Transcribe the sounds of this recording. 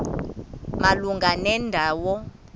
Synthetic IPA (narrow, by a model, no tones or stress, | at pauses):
maluŋɡʱanɛndʱawɔ